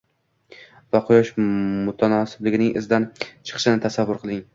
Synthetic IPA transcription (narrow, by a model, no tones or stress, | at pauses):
vaqʰʊjɒʃmʊt̪ʰanɒsɪblɪɡʲɪnɪŋʔɪ̰zd̪ant͡ʃʰɨ̥qʰɨ̥ʃɪnɪt̪ʰasavːʊɾqʰɨlˠɪŋ